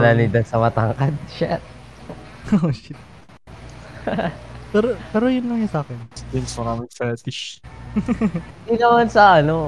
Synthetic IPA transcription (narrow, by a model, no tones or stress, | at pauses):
lalid̪ɐnsɐmɐt̪aŋkɐd̪̚ʃa | oʃɪt̪ | pɛɾopɛːɾo̞jʊnlɐŋjɐsaːkɛnst̪imsmɐnamɪŋfɛt̪ɪʃ | d̪inɐmɐnsɐʔɐno